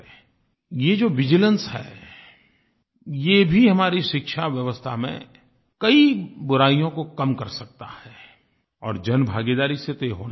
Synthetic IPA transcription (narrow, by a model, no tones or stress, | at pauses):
jed͡ʒoːʋɪd͡ʒɪlə̃nshɛ̰ː | jeːbʱiɦɐmaːɾiʃɪkʃʰaʋjɐʋəst̪ʰamḛ̃ | kɐibʊɾaːijõkokɐmkɐɾsɐk̚t̪a̰hɛː | ɔːɾd͡ʒɐnbʱaːɡeːd̪aːɾiset̪eɦoːna